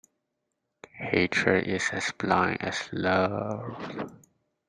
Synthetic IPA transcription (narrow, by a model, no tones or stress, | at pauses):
heɪtʰɹədɪsɛsplãɪ̃ŋɛ̰slʌv